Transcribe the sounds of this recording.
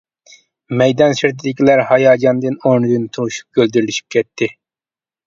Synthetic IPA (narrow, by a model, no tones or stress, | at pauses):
mɛjd̪ɑnsɪɾt̪ʰɪd̪ɪkʲʰilæɾhɑjɑːd͡ʒɑnd̪ɨnoɾnɨd̪ɨnt̪ʰuʃu̥p̚ɡ̥ʲøld̪yɾliʃi̥p̚kʲʰɛt̪ʰːɪ